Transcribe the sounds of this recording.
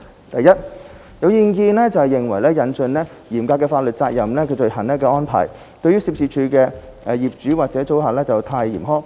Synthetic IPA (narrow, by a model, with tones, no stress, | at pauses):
t̪ɐ˨jːɐ˥t̚ | jɐ˨˧wjiː˨˧nkiː˧nlɛː˥t͡sɐ˨whɛ˨jɪ˨˩ŋwɐ˨˩jlɛː˥jɐ˨˥nt͡ʃɵ˨˧nlɛː˥ | jiː˨˩mkaː˧kːɛː˧faː˧t̚lɵ˨t̚t͡saː˧k̚jɐ˨˩mlɛː˥kʰɵ˧jt͡ʃɵ˧hɐ˨˩nlɛː˥k̬ɛː˧ʔɔː˥npʰa̰ː˨˩j | t̪ɵ˧ɥy˥siː˧p̚sʰiː˧p̚t͡ʃʰyː˨˧kɛː˧ | ʔɛ˧jiː˨˩p̚t͡ʃyː˨˥waː˨t̚t͡sɛː˨˥t͡so˨˥waː˨lɛː˥t͡sɐ˨˩wt̪ʰaː˧jḭː˨˩mɦɔː˥k